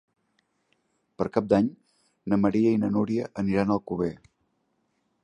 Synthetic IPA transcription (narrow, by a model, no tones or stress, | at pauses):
pəɾkap̚d̪aɲ | nəməɾiəinənuɾiəʔəniɾanəlˠkuβe